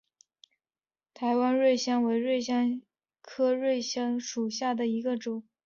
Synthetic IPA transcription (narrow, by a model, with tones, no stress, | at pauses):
t̪ʰa˧˥ɪwa˥nɻwe˥˩ɪɕjɑ˥ŋwe˧˥ɪɻwe˥˩ɪɕjɑ˥ŋ | kʰɤ˥ɻwe˥˩ɪɕjɑ˥ŋʂu˨˩ɕja˥˩d̪ə˩i˧˥ɡə˧ʈ͡ʂʊ˨˩˦ŋ